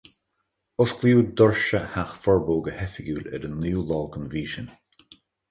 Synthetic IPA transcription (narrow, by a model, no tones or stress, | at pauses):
ʊskʰliːd̪ɔɹʃəhaxfɔɹboːɡəhɛfɪɡuːlɛ̰dənuːlɔːlˠkʰənviːʃən